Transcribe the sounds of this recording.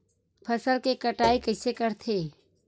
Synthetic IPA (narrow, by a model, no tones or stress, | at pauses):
pʰɐsəlkekɐʈaːikɐɪsekɐɾt̪ʰeː